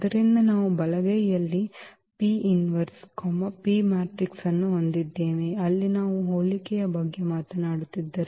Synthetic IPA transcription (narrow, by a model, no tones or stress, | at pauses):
ɐd̪ɐɾind̪ɐnaːʋubɐlɐɡɐjjɐlːi | piːinʋɐɾskɔmɐpiːmaːʈɾiksɐnːuɦond̪id̪ːeːʋeɐlːinaːʋuɦoːlikɛjɐbɐɡːemaːt̪ɐnaːɽut̪ːid̪ːɐɾe